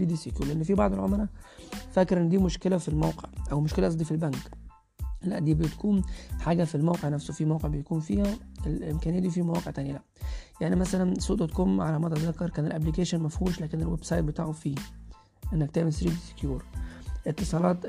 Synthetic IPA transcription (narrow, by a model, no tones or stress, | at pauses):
iːd̪isekjuːɾlʔænːfibɑʕd̪ˤelʕomɾɑfækɾʔenːd̪iːmoʃkelæfilmæwqḛʕʔæwmʊʃkelæʔɑs̬ˤd̪ˤifilbæŋk | læ̰ʔd̪iːbejt̪kuːnħaːɡæfilmæwqeʕnæfsofimæwqeʕbejkuːnfiːhæelɪmkæːnjæːd̪ifiːmæwɑːqeʕt̪æːnjælæʔjaʕnimæsælænsuːʔd̪ɑt̪komʕalæmæt̪æzɑkːɑɾˤkæːnelʔæblikæːʃænmæfhuːʃlæːkenelwebsɑjt̪̚bet̪aːʕofiː | ʔenːækt̪æːmesɾiːd̪ise̥kjuːɾʔet̪ːesˤɑːlɑːt̪